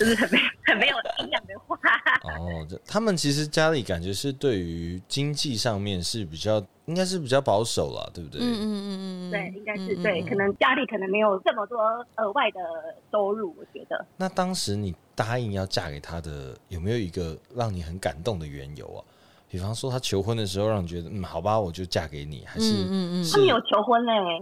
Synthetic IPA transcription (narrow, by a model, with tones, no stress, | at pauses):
o˥˧ʂ̩˥˩xə˨˩nme˧˥ɪjxə˨˩nme˧˥ɪjo˨ʊi˥ŋjɑ˥˩ŋd̪ə˨˧xwa˥ʔɔ˥˩t͡ɕo˥˩t̪ʰa˥mə˨nt͡ɕʰi˧˥ʂ̬ɻ̩˧˦t͡ɕja˥li˨˩ka˨˩nt͡ɕɥɛ˧˦ʂɻ̩˥˧t̪we˥˩ɪy˧˦˧t͡ɕi˦ŋt͡ɕi˥˧ʂɑ˥˧ŋmjɛ˥˨nʂɻ̩˥˩pi˨˩t͡ɕjɑ˥˩ʊ | i˥ŋka˥ɪʂ̬ɻ̩˥˩pi˨˩t͡ɕjɑ˥˩ʊpɑ˧˥ʊʂo˨˩ʊlɐ̰˨˩t̪we˥˩ɪbu˧˩t̪wt̪we˥˩ɪʔi˥ŋka˥ɪʂɻ̩˥˧t̪we˥˩ɪkʰɤ˨˩nə˧˦˥ŋt͡ɕja˥li˨˩kʰɤ˨˩nə˧˦ŋme˧˥ɪjo˨˩ʊʈ͡ʂə˥˩mə˨t̪wɔ˥ə˨˥wa˥˩ɪd̪ə˩to˥ʊɻu˥˩wɔ˨˩t͡ɕɥɛ̰˧˥d̪ə̰˧na˥˨˩t̪ɑ˥ŋʂɻ̩˧˥ni˨˩t̪a˥i˥˧ŋjɑ˥˧ʊt͡ɕja̰˥˩kḛ˨˩ɪt̪ʰa˥d̪ə̰˨jo˨˩me˧˥ɪjo˨˩ʊi˧˦ɡə˧ɻɑ˥˩ŋni˨˩xə˧˦nka̰˨˩nt̪o˥˩ŋd̪ə˨ɥɛ̰˧˦njo̰˨˩˦ʊɐ̰˨ | pi˨˩fɑ˦ŋʂwɔ˥t̪ʰa˥t͡ɕʰjo˧˥ʊxwə˦˥nd̪ə˨˩ʂ̬ɻ̩˧xo˥˧ɑ˥˩ŋni˨˩t͡ɕɥɛ˧d̪ə˧m̩˥˩xɑ˨˩ʊba˨wɔ˨˩t͡ɕjo˥˧ʊt͡ɕja˥˩ke˧˥ɪnḭ˨˩xa˧˥ɪʂɻ̩˥t̪ʰa˥mə˧˥njo˨˩t͡ɕʰjo˧˥ʊxwə˦˥ne˨˩